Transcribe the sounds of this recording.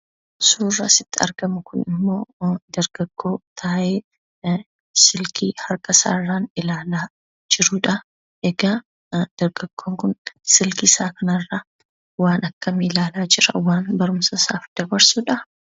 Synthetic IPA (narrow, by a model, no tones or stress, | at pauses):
suːrːɐsɪt̪ːɪɐ̰ɾɡɐmʊkʊnɪ̰mːo̞ːd̪ɐɾɡ̥ɐɡːo̞ːt̪ʰaːʔeː | sɪlkʰiːhɐɾkʼɐsa̰ːrːaːnɪlaːlaː | d͡ʒɪɾuːᶑɐ | ʔɛɡɐ | d̪̥ɐɾɡɐɡ̥ːo̞ːŋkʊnsɪlkɪsaːkɐnɐrːa | waːnɐkːɐmiːlaːlaːd͡ʒɪɾɐ̰waːnbɐɾʊmsɐsa̰ːfd̪̥ɐbɐɾsuːᶑɐ